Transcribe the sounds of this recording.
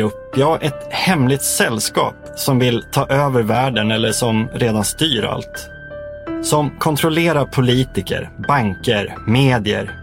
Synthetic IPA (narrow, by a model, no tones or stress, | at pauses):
ɵpːjɑːʔɛt̪hɛmlɪt̪sɛlːskɑ̰ːp | sɔmvɪlt̪ʰɑːʔøːvəɾvæːɖənɛlːəʂɔmɾeːd̪anst̪yːɾa̰lt̪ | sɔmkʰɔnt̪ʰɾɔleːɾapʰʊliːt̪ɪkə̰ɾbaŋkəɾmeːd̪ɪə̰ɾ